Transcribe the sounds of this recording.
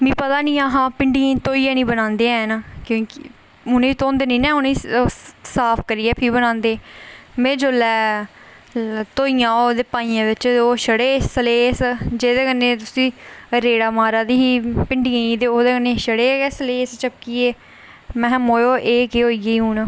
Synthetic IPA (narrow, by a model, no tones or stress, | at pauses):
mĩːpət̪aːnĩːaːɦãːpɪɳɖiə̃t̪oːiːãːnĩːbənãːnd̪eːãːnakjõːkɪ | ʊneiːt̪õːnd̪eːnĩːnɛ̃ːʊnei | saːpʰkəɾiːɛːpʰiːbənãːnd̪eːmẽːd͡ʒoːlɛː | t̪oːiːãːoːd̪eːpãːiːãːʋɪt͡ʃoːʃəɽeːsəleːsd͡ʒeːd̪eːkənːeːt̪ʊsĩːɾeːɽaːmaːɾaːd̪iːiːpɪɳɖiːə̃ĩːd̪eːoːd̪eːkənːeːʃəɽeːɛsəleːst͡ʃəp̚kieː | mɛ̃ːmoːjoːʔeːkeːɦoːiːeiũːn